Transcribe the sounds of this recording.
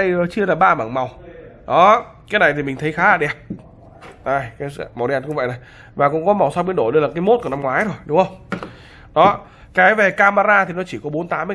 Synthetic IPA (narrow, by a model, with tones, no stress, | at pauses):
ə˧jəː˨˩t͡ɕɨ˧əlaː˨˩ɓaː˧ma̰ː˧˩ŋma˨˩wɗɔ˨˦kaː˨˦jna˨˩jt̪ʰi˨˩mï˨ŋ̟t̪ʰə˨˦jxaː˨˦laː˨˩ɗɛ˨˩p̚ | ʔaː˧˩jkaː˨˦sma˨˩wɗɛ˧˨˩n̚kʊ̰˧˥ŋ͡mvə̰˧˨jna˨˩j | vaː˨˩kʊ̰˧˥ŋ͡mkɔ˨˦ma˨˩wsa˧wɓi˧˦nɗo˧˩ɗə˧laː˨˩ka˨˦jmo˦˥t̚kɔ˨˧˩na˧mŋwaː˨˦jzo˨˩jɗʊ˨˦ŋ͡mhxə˧wŋ͡m | ɗɔ˨˦ | kaː˨˦jve˨˩kaː˧maː˧ɾaː˧t̪ʰi˨˩nɔ˨˦t͡ɕi˧˩kɔ˨˦ɓo˨˦nt̪aː˨˦mː˧